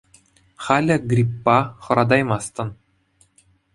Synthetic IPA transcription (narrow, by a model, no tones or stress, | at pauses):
χɑlʲɘ̆ɡrʲipːɑχɤ̆ɾɑd̪ɑjmɑst̪ɤ̆n